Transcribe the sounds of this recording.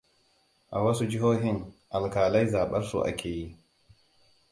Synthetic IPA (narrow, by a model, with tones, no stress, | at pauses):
ʔa˨wɐ˦su˦d͡ʒɪ˦ɦoː˦ɦɪ˦ŋʔa˨lkaː˨la˦jzaː˨ɓɐ˦ɾsṵ˦˨ʔa̰˨kʲʰeː˨ji˦